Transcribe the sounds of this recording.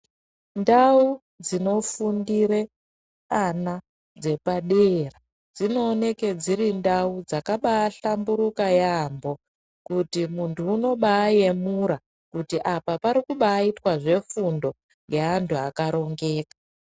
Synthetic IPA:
ndau | d͡zino̞fundiɾe̞ | ana | d͡ze̞paɗera | d͡zino̞ːne̞ked͡zirindaud͡zakaɓaːɬambuɾukajaːmbo̞ | kutimuntʰuːno̞ɓaːje̞muɾa | kutiʔapapaɾikuɓaːitwaʐe̞fundo̞ | ŋɡe̞antʰuakaɾo̞ŋɡe̞ːka

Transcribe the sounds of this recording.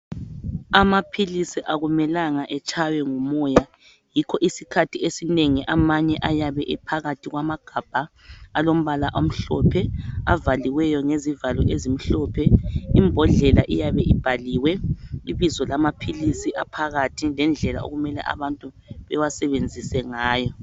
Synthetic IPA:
amapʰilisiʔaɣumɛlaŋaʔɛt͡ʃʰʼajɛŋumɔja | jikʰɔʔisikʰatʰiesineŋiʔamaɲɛʔajaβɛʔɛpʰaɣatʰiɣwamaɡ̥ʱab̥ʱaː | lom̩βalaʔom̩ɬɔ̰pʰɛa̰valiwɛjɔŋezivalɔ̰ʔezim̩ɬɔpʰɛimbʱɔɮɛlaʔijaβɛʔib̥ʱaliːwɛiβizɔlamapʰilisiʔapʰaɣatʰilɛnd͡ɮʱɛla̰o̰ɣumɛlɛ̰ʔa̰βantʼu | βɛwasɛβend͡zʱisɛŋaːjɔ

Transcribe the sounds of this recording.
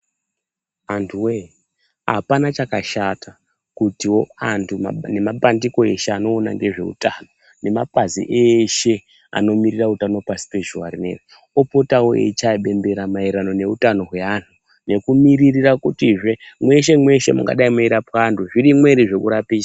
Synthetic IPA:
antʰuwe | a̰panat͡ʃakaʃata | kutiwo̞antʰuma̰ne̞maɓandiko̞e̞ʃe̞ano̞ːna̰ŋɡeʐe̞̰ṵtano̞ | ne̞mapazḭʔeʃe̞ | a̰no̞mirirautano̞pasi̥pe̞ʒua̰ɾinḛwi | opo̞tawoḛit͡ʃaiɓe̞mbe̞ɾamaiɾano̞ne̞utano̞ɦwe̞antʰu | ne̞kumiririrakutiʐe̞mwe̞ʃe̞mwe̞ʃe̞̰mṵŋɡa̰ɗaimuiɾapaːntʰuʐiɾimwe̞ɾiʐe̞kuɾapiːd͡ʒa

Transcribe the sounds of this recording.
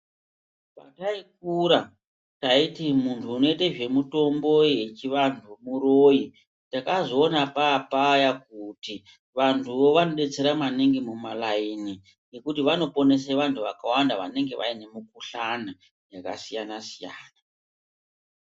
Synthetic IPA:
pa̰taik̚uɾa | taitimuntʰuːno̞iteʐe̞muto̞mbo̞je̞t͡ʃiʋantʰumuɾoːji | takazoːnapaːpajakuti | ʋantʰuʋo̞ʋano̞ɗe̞t͡se̞ɾamaniŋɡemumalaini | ne̞kutiʋano̞po̞ne̞s̬eʋantʰuʋa̰kawandaʋa̰ne̞ŋɡe̞ʋʔa̰ine̞mukuɬana | jaka̰sijanasija̰ːna

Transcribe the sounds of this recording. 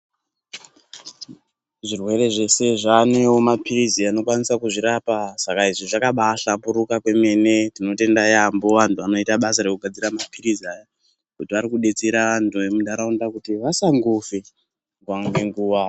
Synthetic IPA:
ʐirwe̞ɾe̞ʐe̞se̞ʐane̞womapiɾiziano̞kwanisakuʐiɾapasakaiʐiʐakaɓaɬampuɾukakwe̞me̞ne̞tino̞te̞ndajambo̞ʋantuʋano̞itaɓasaɾe̞kuɡʱad͡ziramapiɾiziaːja | kutiʋaɾikuɗe̞t͡seɾaʋantʰuʋe̞muɗaɾaundakutiʋasaŋɡufe | ɡwaŋɡeŋɡuːʋa

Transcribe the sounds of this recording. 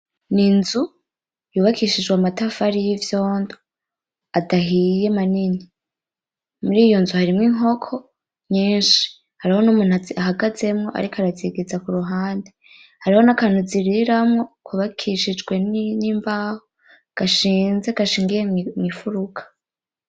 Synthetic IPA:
ninzu | juːβakiʃid͡ʒɡwamatafaɾijivjo̞ːndo | adaɦije̞manini | muɾiːjo̞nzuhaɾimŋiːŋɦo̞kʰo̞ | ɲiːnʃi̥ | haɾiho̞numuːn̥uaaɦaɡaze̞mŋo̞ʔa̰ɾikoaɾaziɡezakuɾuɦaːnde | haɾiho̞nakaːnuziɾiɾamŋo̞kuβakʰiʃid͡ʒɡwe̞nniːmbaːho | ɡ̥aʃiːnze̞ɡ̥aʃiːŋɡijemŋifuɾukʰḁ

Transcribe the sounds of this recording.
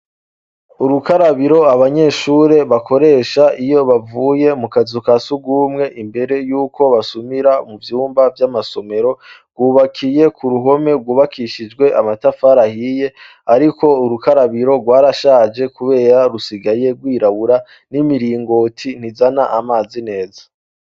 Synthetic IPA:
uɾukaɾaβiɾo̞aβaɲe̞ːʃuɾe̞βakʰo̞ɾe̞ːʃaʔijo̞βavuːje̞mukazukasuɡuːmŋe̞ʔimbe̞ɾe̞juːko̞βasumiɾamuvjuːmbavjamaso̞me̞ɾo̞ɡwuːβakʰije̞kʰuɾuɦo̞me̞ɡwuːβakʰiʃid͡ʒɡwe̞ʔamatafaɾahije̞ | aɾiko̞uɾukaɾaβiɾo̞ɡwaːɾaʃaːd͡ʒe̞kuβe̞ːɾaɾusiɡaje̞ɡwiːɾaβuɾa | nimiɾiːŋɡo̞tʰin̥izanaʔamaːzine̞ːzḁ

